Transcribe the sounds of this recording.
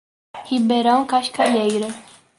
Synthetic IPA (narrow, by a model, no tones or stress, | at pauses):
hibɛɾɑŋkɑʃkʰɑjɛɡɾə